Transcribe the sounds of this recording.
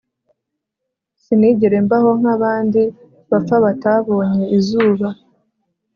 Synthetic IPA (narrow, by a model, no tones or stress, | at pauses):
siniɟeɾe̞mbaho̞ŋ̥aβaːndi | βap͡ffaβataβo̞ːɲe̞izuːβa